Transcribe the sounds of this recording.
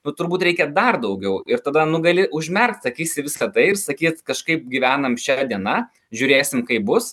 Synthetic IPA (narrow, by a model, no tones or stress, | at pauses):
nʊt̪ʊɾbuːt̪ɾʲɛɪkʲɛd̪ɐrd̪ɐʊɡʲɛʊɪɾt̪ɐd̪ɐnʊɡɐlʲɪʔʊʒʲmʲɛrkt̪sɐkʲiːsʲɪʋʲɪskɐt̪ɐɪɪɾsɐkʲiːt̪kɐʃkɐɪp̚ɡʲiʋʲæːnɐmʃʲæd̪ʲiɛnɐ | ʒʲʊːɾʲeːsʲɪmkɐɪp̚bʊs